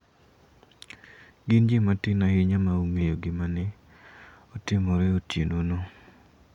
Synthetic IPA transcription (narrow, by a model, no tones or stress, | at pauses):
ɡɪnd͡ʒimatɪnajɪɲamaumejoɡɪmanɪ | ɔtɪmɔɾɛotjḛnono